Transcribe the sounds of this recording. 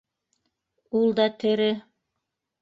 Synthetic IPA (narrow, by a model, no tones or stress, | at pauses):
ulˠd̪ɑt̪ʰɘ̆ɾɘ